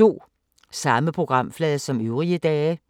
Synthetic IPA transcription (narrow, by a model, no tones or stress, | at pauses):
o̝̰ː | sɑ̈məpʰʁo̝ɡ̥ʁɑ̈m̰flɛːðˠɐsɒ̽møʊʁiəd̥ɛː